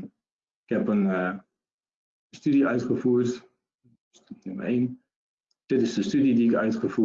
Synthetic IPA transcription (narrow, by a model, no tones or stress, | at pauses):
ɪkhɛpən | stydiœɥtχəfuːɹt | snɪmə̰ɹen | d̥ɪtɪsdəstydidiɪkœ̰ɥtχəfuː